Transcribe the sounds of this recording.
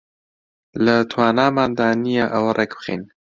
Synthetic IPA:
lət̪ʰwaːnaːmaːnd̪aːnijaʔɐwɐrʔɛkbɨxḛːn

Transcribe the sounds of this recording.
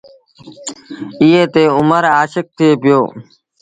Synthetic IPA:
ɪeːt̪eːʊməɾaːʃɪk̚t̪ʰeːpɪjoː

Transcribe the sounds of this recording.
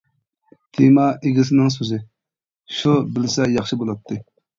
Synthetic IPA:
t̪ʰemɑeɡʲis̬ɪnɪŋs̬øzɪ | ʃubɪlɪsɛjɑχʃɨbolˠɑt̪ʰːɨ

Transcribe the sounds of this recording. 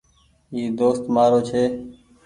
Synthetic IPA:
iːd̪oːst̪maːɾoːt͡ʃʰeː

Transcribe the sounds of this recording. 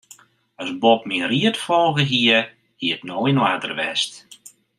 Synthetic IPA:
ɔsbɔp̚miriətfɔlˠɣəɦiə | hiətnoːinwaːtə̰rʋɛst

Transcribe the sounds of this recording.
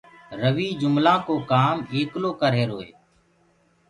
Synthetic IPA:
ɾəʋiːd͡ʒʊmlãːkoːkaːmeːkloːkəɾɦeːɾoːḛː

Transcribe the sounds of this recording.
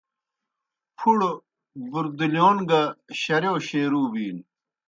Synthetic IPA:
pʰuɽo | buɾd̪uljoːnɡɐɕɐɾjoːɕeːɾuːbiːn

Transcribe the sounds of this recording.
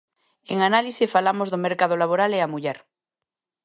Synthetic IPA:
eŋanaliθefalamozðomeɾkað̞olaβ̞oɾaleamuʎɛɾ

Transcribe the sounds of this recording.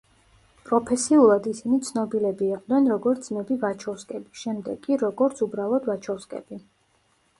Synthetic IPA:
pʼɾɔpʰɛsiulˠad̪isinit̪sʰnɔbilɛbiːqʼd̪nɛnɾɔɡɔɾt̪szmɛbivat͡ʃʰɔfskʼɛbiʃɛmd̪ɛ̰ɡʼiɾɔɡɔɾt̪sʰubɾalˠɔd̪vat͡ʃʰɔfskʼɛ̰b̥i

